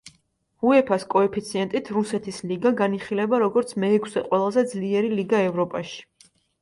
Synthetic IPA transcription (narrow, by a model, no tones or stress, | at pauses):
uɛpʰaskʼɔɛpʰit̪sʰiɛnt̪ʼit̪ʰɾusɛt̪ʰisliɡaɡaniχilɛbaɾɔɡɔɾt̪sʰmɛːkʰsɛqʼwɛlˠazɛd̪zliɛɾiliɡaɛvɾɔpʼaʃi̥